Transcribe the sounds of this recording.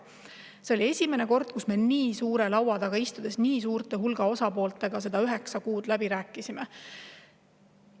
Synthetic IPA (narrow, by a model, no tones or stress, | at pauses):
se̞o̞lʲie̞sʲime̞ne̞ko̞rd̪̥̚kusme̞niːsuːɾe̞lɑwɑd̪̥ɑɡɑist̪ud̪̥e̞sniːsuːrt̪e̞ɦulɡɑo̞sɑpo̞ːlt̪ˑe̞ɡ̥ɑse̞d̪̥ɑyɦe̞ksɑkuːd̪̥læb̥iɾæːkːˑisime